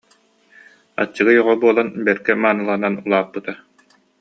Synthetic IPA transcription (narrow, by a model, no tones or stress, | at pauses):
a̰t͡ɕːɯɡɯjɔʁɔbuɔlˠanbɛɾkɛmaːnɯlˠananulˠaːpːɯt̪a